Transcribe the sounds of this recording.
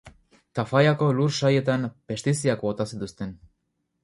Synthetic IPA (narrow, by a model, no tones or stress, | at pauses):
t̪afajako̞luɾʃaje̞t̪ampe̞st̪is̬iakbo̞t̪asit̪ust̪e̞n